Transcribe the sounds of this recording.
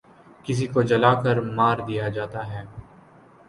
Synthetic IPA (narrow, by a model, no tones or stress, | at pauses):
kɪs̬ikod͡ʒɐlaːkəɾmaːɾd̪ijad͡ʒaːt̪aɦɛː